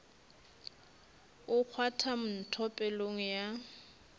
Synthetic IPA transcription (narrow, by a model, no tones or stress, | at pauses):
ʊk͡xʰwatʰam̩n̩tʰɔpʼɛloŋ̩ja